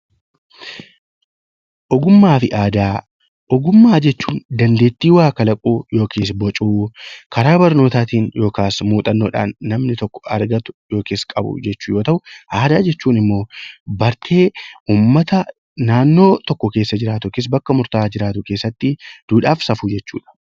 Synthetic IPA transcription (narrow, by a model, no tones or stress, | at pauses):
ʔɔɡʊmːaːfɪʔaːd̪aː | ʔɔɡʊmːaːd͡ʒɛt͡ʃːuːnd̪ɐnd̪eːt̪ːiːwaːkɐlɐkʼuːjo̞ːkʰeːs̬bɔt͡ʃʼuːkɐɾaːbɐɾno̞ːt̪aːt̪iːnjo̞ːkaːsmuːt̪ʼɐnːoːᶑa̰ːnːɐmnɪt̪ɔkːɔ̥ɐ̰ɾɡɐt̪ʊ̥jo̞ːkeːskʼɐbʊ̰d͡ʒɛt͡ʃːʊjo̞ːt̪ɐʔʊʔaːd̪aːd͡ʒɛt͡ʃːuːnɪmːo̞ːbɐɾt̪ʰe̞ːʔuːmːɐt̪ɐ | naːnːo̞ːt̪ɔkːɔke̞ːsːɐd͡ʒɪɾaːt̪ʊkes̬bɐkːɐmʊɾt̪aːd͡ʒɪɾaːt̪ʊke̞ːsːɐt̪ːɪd̪̥uːᶑaːfsɐfuːd͡ʒɛt͡ʃːṵːᶑɐ̥